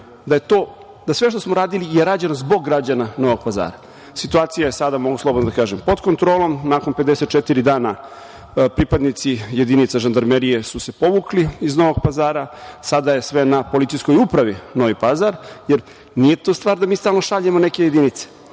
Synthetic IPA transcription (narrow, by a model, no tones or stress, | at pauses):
d̪ajet̪oː | d̪asʋe̞ʃ̬t̪osmo̞ɾaːd̪ilijeɾad͡ʑanozbo̞ɡːɾad͡ʑanano̞ʋo̞ɡ̚paza̰ːɾa | sit̪uaːt̪sijajesad̪amo̞ɡuslˠobd̪nad̪akaːʒempo̞d̪ko̞nt̪ɾo̞ːlˠo̞mnaːko̞nped̪ese̞t̪̚t͡ʃet̪iɾid̪aːna | pɾipad̪nit̪sije̞d̪init̪saʒand̪aɾmeɾije̞suse̞po̞ʋukliːzno̞ʋo̞ɡ̚pazaːɾasad̪ajesʋe̞napo̞lit̪ijskojupɾaʋino̞ʋipazaɾjeɾ | nije̞t̪ost̪ʋaːɾd̪amiːst̪aːlˠnoʃaʎemone̞ke̞je̞d̪init̪se̥